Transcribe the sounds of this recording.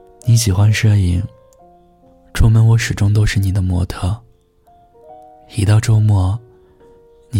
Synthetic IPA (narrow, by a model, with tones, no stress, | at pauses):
ni˧˥ɕi˨˩xwa˥nʂə˥˧i˧˩ŋ | ʈ͡ʂʰʊ˥ŋmə˧˥nwɔ˧˥ʂɻ̩˨˩ʈ͡ʂʊ˥ŋt̪̬o˥ʊʂɻ̩˥˩ni˨˩d̪ə˦mwɔ̰˧˥t̪ʰɤ˥˩ | xi˧˩t̪ɑ˥˧ʊʈ͡ʂo˥ʊmwɔ˧˥ | ni˧